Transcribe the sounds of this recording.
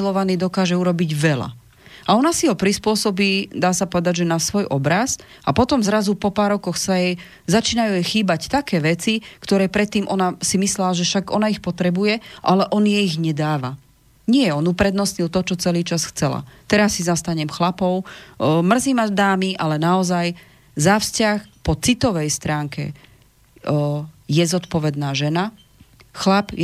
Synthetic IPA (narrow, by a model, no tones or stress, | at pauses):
ilɔʋaniːd̪ɔkaːʒɛuɾɔbiɟʋɛla̰ | aɔnasiɦɔpɾispʊɔsɔbiːd̪aːsapɔʋɛd̪aɟʒɛnasʋɔjʔɔbɾas | apɔt̪ɔmzɾazupɔpaːɾɔkɔxsajɛ | zat͡ʃiːnajujɛxiːbact̪akɛːʋɛt͡sikt̪ɔɾɛːpɾɛt̪ːiːmʔɔnasimislɛlaʒɛfʃaɡɔ̰naixpɔt̪ɾɛbujɛʔalɛʔɔnjɛiɣɲɛd̪aːʋa | ɲɪɛɔnupɾɛd̪nɔsɲilt̪ɔt͡ʃɔt͡sɛliːt͡ʃasxt͡sɛla̰t̪ɛɾasːizast̪aɲɛmxlapɔʊmr̩ziːmad̪aːmiʔalɛnaɔzaj | zafscaxpɔt͡sit̪ɔʋɛjst̪ɾaːŋkɛ̰ | jɛzɔt̪pɔʋɛd̪naːʒɛna | xlapj